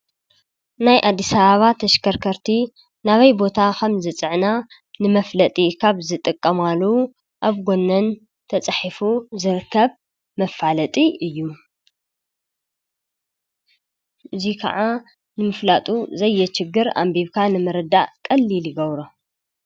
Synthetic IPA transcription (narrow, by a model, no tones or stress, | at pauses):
najʔad̪ːisɐβaβat̪ʰɐʃkʰɐɾkʰɐɾt̪ʰi | naβɐjbo̞t̪ʰakʰɐmzɨt͡sʼɨʕna | nɨmɐflɐt̪ʼikʰaβzɨt̪ʼɨkʼːɐmalu | ʔaβɡonːɐn | t̪ʰɐt͡sʼaħifuzɨɾɨkʰːɐβ | mɐfalɐt̪ʼiɨjːu | ɨzikʰɐ̰ʕa | nɨmɨflat̪ʼuzɐjːɛt͡ʃɪɡːɨɾa̰mbiβkʰanɨmɐɾɐd̪aʔkʼɐlːilɨɡɐβɾo